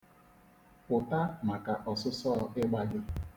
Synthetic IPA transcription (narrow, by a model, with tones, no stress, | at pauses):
ʊ˨ta˦ma˨ka˨ʔɔ˨sʊ˦sɔː˦˨ɪ˦ɡ͡ba˦ɡɪ˦